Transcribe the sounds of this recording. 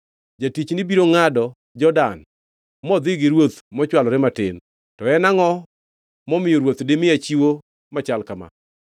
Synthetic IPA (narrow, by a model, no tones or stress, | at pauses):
d͡ʒatit͡ʃnɪbiɾoŋadɔ | d͡ʒɔdan | mɔd̪ɪɡɪɾwot̪mɔt͡ʃwalɔɾɪmatɪn | tɔɛnaŋɔ | mɔmɪjoɾwot̪dɪmɪat͡ʃiwo | mat͡ʃalkama̰